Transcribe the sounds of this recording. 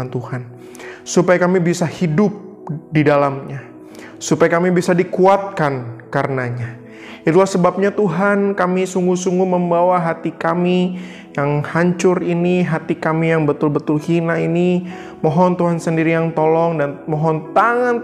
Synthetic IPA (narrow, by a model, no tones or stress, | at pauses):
ant̪uhan | supajakamibisahidʊp̚ | didalamɲa | supajakamibisadikuat̪̚kankarənaɲa | it̪ulahsəbap̚ɲat̪uɦankamisuŋɡusuŋɡuməmbawaɦat̪ikami | jaŋhaɲt͡ʃʊɾiniɦat̪ikamijaŋbət̪ʊlbət̪ʊlhinaini | mɔɦɔnt̪uɦansəndiɾijaŋt̪olɔŋdanmɔɦɔnt̪aŋan